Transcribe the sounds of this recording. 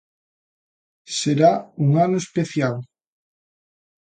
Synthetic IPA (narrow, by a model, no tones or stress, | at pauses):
seɾauŋanoespeθjal